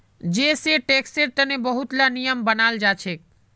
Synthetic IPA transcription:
d͡ʒeseʈekseɾt̪ənebəɦut̪lanijəmbənald͡ʒat͡ʃʰek̚

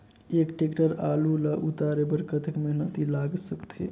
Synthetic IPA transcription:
eːkʈekʈəɾaːlulaʔut̪aɾebəɾkət̪ʰəkmeɦnət̪ilaɡsəkt̪ʰḛ

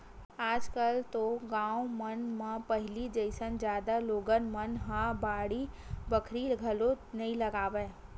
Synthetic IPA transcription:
aːd͡ʒkəlt̪oɡãːumənmãpəɦɪlid͡ʒəɪsənd͡ʒjaːd̪aloːɡənmənɦãbaːɽi | bəkʰɾiɡʱɐlo | nɐĩlɐɡaːʋeː

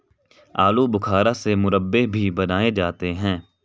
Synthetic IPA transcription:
aːlubʊkʰaːɾasemʊɾəbːebʱibɐnaːed͡ʒaːt̪eɦɛ̃ː

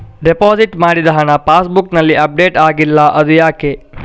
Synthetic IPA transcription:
ɖepaːd͡ʒiʈmaːɽid̪ɐɦɐnɐpaːsbuknɐlːiʔɐp̚ɖeːʈaːɡilːɐʔɐd̪ujaːke

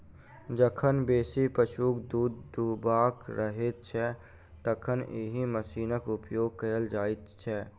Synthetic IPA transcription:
d͡ʒəkʰənbeːsipəʃuːkd̪uːd̪d̪ubaːkɾəɦet̪̚t͡ʃʰɛ | t̪əkʰəneɦiməsiːnəkʊpjoːɡ̚kəəld͡ʒaːɪt̪t͡ʃʰɛ

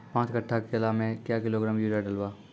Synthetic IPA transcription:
pãːt͡ʃkəʈʰːakelaːmẽkjaːkɪloɡɾãːmjuːɾaɖəlwaː

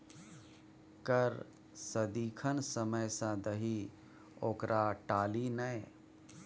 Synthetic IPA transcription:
kəɾ | səd̪iːkʰənsəməjsãd̪əɦi | oːkɾʔaʈaːlinəj

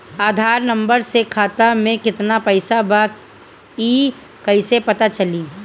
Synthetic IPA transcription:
aːd̪ʱaːɾnɐ̃mbəɾsekʰaːt̪amẽkɪt̪napəɪsabak | iː | kɐisepɐt̪at͡ʃɐliː

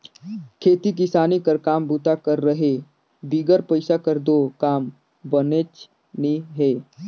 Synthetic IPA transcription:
kʰet̪iːk̬isanikəɾkambut̪akəɾːəɦe | biɡəɾpəjsakəɾd̪okaːm | bənet͡ʃ | niɦe

